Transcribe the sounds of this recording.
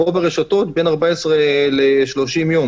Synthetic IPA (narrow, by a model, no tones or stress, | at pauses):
obeʁeʃato̞tbe̞naʁbaesʁeleʃlo̞ʃimjom